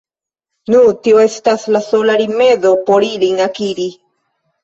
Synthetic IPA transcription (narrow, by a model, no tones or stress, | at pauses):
nutio̞estaslaso̞laɾime̞ðo̞poɾiliŋakiɾi